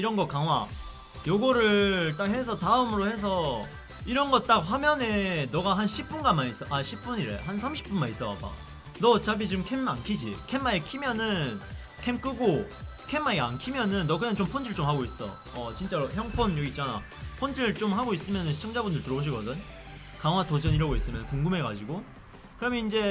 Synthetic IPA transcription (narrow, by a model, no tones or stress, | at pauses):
iɾʌnɡʌkaŋɦwa | joɡʌɾɯt͈ak̚ɦe̞s̬ʰʌtaɯmɯɾohe̞s̬ʰʌ | iɾʌnɡʌt̚t͈ak̚ɸwamjʌnenʌɡaɦanɕʰip̚p͈unɡanmanis͈ʌʔaɕʰip̚p͈uɲiɾḛɦansʰamɕʰi̥p͈unmanis͈ʌa̰p͈a̰ | nʌt͡ɕabit͡ɕomkʰema̰nkʰid͡ʑḭkʰemːaekʰimjʌnɯn | kʰemk͈ɯɡo | kʰemːaɡiankʰimjʌnɯnːʌkɯɲaŋt͡ɕompʰondɯɭt͡ɕ͈omhaɡois͈ʌ̰ | ʌt͡ɕint͡ɕ͈aɾoçjʌŋpʰonjʌɡiːt̚t͡ɕ͈ana̰ | pʰondɯɭt͡ɕ͈omhaɡois͈ɯmjʌnɯnʰt͡ɕʰʌŋd͡ʑabundɯɭtɯɾʌboɕ̬ʰiɡʌdɯn | kaŋwatod͡ʑʌɲiɾaɡois͈ɯmjʌnnkuŋɡɯme̞ɡad͡ʑiɡo | kɯɾʌmjʌind͡ʑe̞